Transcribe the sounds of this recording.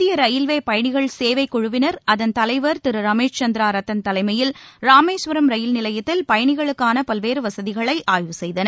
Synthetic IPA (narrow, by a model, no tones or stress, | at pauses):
ɪjɐɾɐjɪlʋeːpɐjɐɳɪɣɐɭseːʋɐɪkːɔɻʊʋɪnɐɾʔɐðɐnt̪ɐlɐɪʋɐɾt̪ɪɾɯɾɐmeːʂt͡ʃɐnd̪ɾaːɾɐt̪ːɐnt̪ɐlɐɪmɐjɪlɾaːmeːsʋɐɾɐmɾɐjɪlnɪlɐjɐt̪ːɪlpɐjɐɳɪɣɐɭɯkːaːnɐpɐlʋeːɾɯʋɐsɐðɪɣɐɭɐɪʔaːjʋɯsɛjðɐnɐ